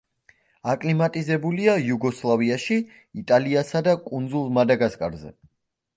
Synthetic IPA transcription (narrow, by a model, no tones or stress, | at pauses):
akʼlimat̪ʼizɛbuliajuɡɔslˠaviaʃi | it̪ʼaliasad̪akʼund̪zulˠmad̪aɡaskʼa̰ɾzɛ̰